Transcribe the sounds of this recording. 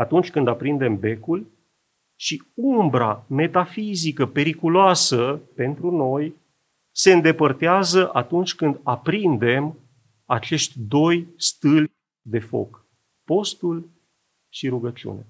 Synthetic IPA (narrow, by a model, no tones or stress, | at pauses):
at̪unt͡ʃʲkɨnd̪apɾind̪e̞mbe̞kul | ʃiumbɾa̰me̞t̪afizikəpe̞ɾikuloasəpe̞nt̪ɾuno̞j | se̞ɨnd̪e̞pərt̪eazəʔat̪unt͡ʃʲkɨnd̪apɾind̪e̞m | at͡ʃe̞ʃt̪ʲd̪o̞jst̪ɨlʲ | d̪e̞fo̞̰k | po̞st̪ul | ʃiɾuɡət͡ʃiṵnḛ